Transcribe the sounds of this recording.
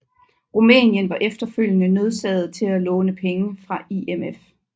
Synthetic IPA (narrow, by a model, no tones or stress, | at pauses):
ʁumɛ̰ːnjənʋɑ̈ʔefd̥ɐføl̰jənəne̝ð̞ˠsɛð̩ˠt͡sʰe̝lælɔ̽ːnəpʰeŋəfʁɑ̈iemef